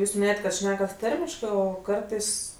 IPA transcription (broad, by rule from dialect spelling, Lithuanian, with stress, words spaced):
ˈjuːs mʲɪˈnʲeːjɛtʲ kɐt ˈʃʲnʲæːkɐt ˈtɐrʲmʲɪʃkɜ ˈoː ˈkɐrtɐɪs